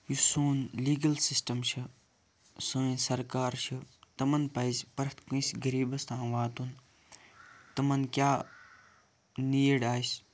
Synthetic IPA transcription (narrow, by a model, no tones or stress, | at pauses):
jusoːnliːɡɐlsisʈɐmʃʰi | sɨːĩsɐɾkaːɾʃʰit̪ɐmɐnpɐjspɐɾt̪ʰkũisɡɐɾiːbɐst̪ʰãːʋaːt̪un | t̪ɐmɐnkjaː | niːjɐɽaːsʲ